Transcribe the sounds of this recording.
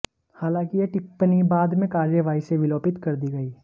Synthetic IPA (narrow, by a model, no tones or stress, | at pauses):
haːlãːkijeʈɪpːnibaːd̪mẽkaːɾjəʋaːiseʋɪloːpɪt̪kɐɾd̪iɡɐiː